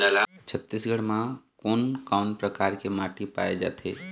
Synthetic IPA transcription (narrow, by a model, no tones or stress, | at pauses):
t͡ʃʰət̪ːisɡʱəɽmãkoːnkaʊnpɾəkaɾkemaʈipa̰ed͡ʒa̰t̪ʰe